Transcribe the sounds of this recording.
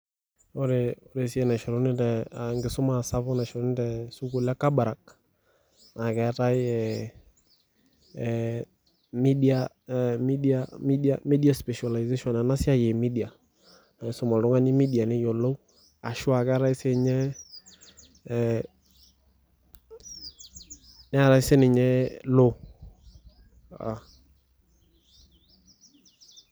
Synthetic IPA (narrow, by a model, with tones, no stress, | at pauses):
o˦ɾe˨o˦ɾe˨si˦ɛ˨na˨ʃɔ˨ɾo˦nɪ˦tɛ˨a˨ŋɡɪ˨sʊ˦ma˨sa˦bʊ˦na˨ʃɔ˨ɾɔ˦nɪ˦tɛ˨su˦ku˨la˦ka˦ba˨ɾa˨k̚ | na˨kɛ˦ta˦jɛ˨ | mi˦di˦a | mi˦di˦ami˦di˦a˨mi˦di˦a˦spɛ˨ʃa˨la˨jze˦ʃɔ˨na˨na˦sɪ˦a˦je˨mi˦di˨a˨ | sɔ˦˨mɔ˨lʊ˨ŋa˦nɪ˦mi˦di˨a˨nɪ˦jɔ˨lo˦ | a̰˨ʃʊ˦a˨ka˦ɾa˦ɪ˦sɛ˦˨ɲɛ˦ | nɪ˦a˨ɾa˨˦ɪ˦sɛ˦nɪ˨ɲɛ˦lo˦ | a̰˨